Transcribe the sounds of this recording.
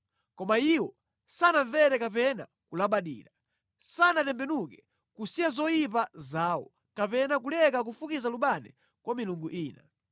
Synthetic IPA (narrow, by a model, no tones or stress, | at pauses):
kɔmaiwɔ | sanaɱvɛɾɛkapɛna | kulaɓaɗḭːɾa | sanatɛmbɛnukɛ̥ | kusijazɔjip̬azaːwɔ | kapɛnak̬ulɛkak̬ufukizaluɓanɛ̰ | kwamiluŋɡuʔiːna